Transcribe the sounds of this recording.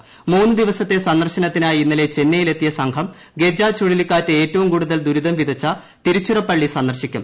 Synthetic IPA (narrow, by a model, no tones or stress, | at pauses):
muːnːɨd̪iʋɐsɐt̪ːe̞sɐnd̪ɐrɕɐnɐt̪ːinaːjiinːɐle̞t͡ɕe̞nːɐjile̞t̪ːijɐsɐŋkʰɐm | ɡe̞d͡ʑaːt͡ɕoɻilikːaːtːɨe̞ːtːɐʋumkuːɽuðɐld̪uɾuðɐmʋid̪ɐt͡ɕːɐ | t̪iɾut͡ɕːurɐpːɐɭːisɐnd̪ɐrɕikʲːum